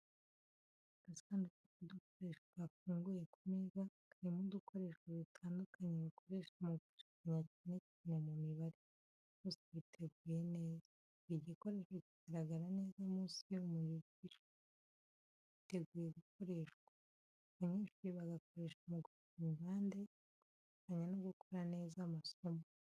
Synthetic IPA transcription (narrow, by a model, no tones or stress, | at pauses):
ɡ̥asaːndukukud̪ukoɾe̞ːʃwaβafuːŋɡujekumezakaɾimudukʰo̞ɾe̞ʃwoβitʰaːndukʰaɲeβakʰo̞ɾe̞ʃamuɡuʃi̥kiɲacine̞cine̞mumiβaɾi | βuːsiβitʰe̞ɡujeneːza | iɟiko̞ɾe̞ːʃweciɡ̥aɾaɡaɾane̞ːzamuːsiumujiɟiʃe | βite̞ɡuːjeɡuk̚o̞ɾe̞ːʃwḁː | βaɲiːnʃiβaɡako̞ɾe̞ʃumuɡuʃfimiβaːnde̞ | u | ukaɲanoɡukoɾane̞ːzamaso̞mo